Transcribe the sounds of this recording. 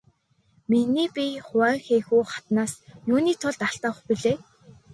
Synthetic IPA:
miniːpʲiχʊwæːxeːxuːχḁt̪naːsjuːniːt̪ʰʊɮt̪aɬt̪ăːχpiɮeː

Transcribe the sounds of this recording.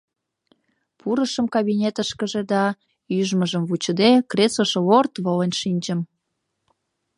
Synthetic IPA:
puɾəʃəmkɑβinʲet̪əʃkəʒed̪ɑ | yʒməʒəmvut͡ɕəd̪ekresəʃeβort̪βolenʃinʲd͡ʑəm

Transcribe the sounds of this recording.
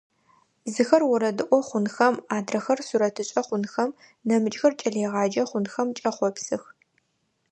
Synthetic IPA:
zɨxɐrwʊɾɐdɨʔʷɔχʷʊnxɐmaːdrɐxɐrsuɾɐtʰɨɕʼɐχʷʊnxɐm | nɐmɨt͡ʃʼxɐrt͡ʃʼɐɮeːʁɑːd͡ʒɐχʷʊnxɐmt͡ʃʼɐχʷɔpsɨx

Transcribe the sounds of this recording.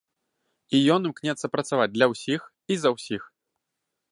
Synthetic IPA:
ijɔnɨmknʲɛt̪sːɐpɾɐt̪savad͡zʲd̪lʲɐwsʲix | izɐwsʲix

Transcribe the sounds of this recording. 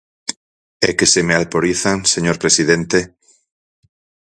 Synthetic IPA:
ekesemealpoɾiθaŋseɲoɾpɾesiðent̪e

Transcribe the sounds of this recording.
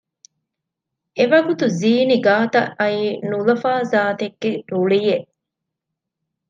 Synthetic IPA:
eʋɐɡut̪uziːniɡaːt̪ɐʔɐiːnulɐfaːzaːt̪eɡːeɾuɭijeʔ

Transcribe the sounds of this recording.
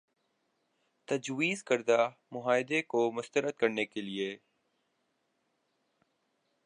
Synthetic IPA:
t̪ɐd͡ʒwiːzkəɾd̪amʊɦaːɪd̪ekomʊst̪əɾət̪̚kɐɾnekelieː

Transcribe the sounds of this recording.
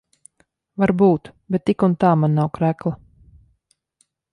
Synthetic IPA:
vaɾbuːt̪bɛt̪ːikunt̪aːmanːawkɾæklˠa

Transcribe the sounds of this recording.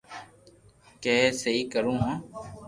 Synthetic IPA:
kɛːsəɦiːkəɾũːɦãː

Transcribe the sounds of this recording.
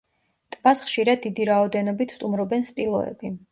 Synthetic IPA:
t̪ʼvasχʃiɾad̪ːid̪iɾaɔd̪ɛnɔbit̪ʰst̪ʼumɾɔbɛnspʼilˠɔ̰ɛ̰bi

